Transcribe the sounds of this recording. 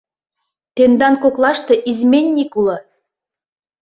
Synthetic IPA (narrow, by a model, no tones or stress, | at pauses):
t̪end̪ɑnkoklɑʃt̪ɤ̆ʔizmʲenʲːikulɤ̆